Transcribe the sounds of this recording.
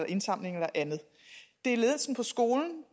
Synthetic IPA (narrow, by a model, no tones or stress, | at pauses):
lɐʔe̝nsɑ̈m̰le̝ŋelɐʔænð̩ˠ | d̥e̝æɐle̝ːðˠn̩sn̩pʰɒ̽sɡ̥o̝ːln̩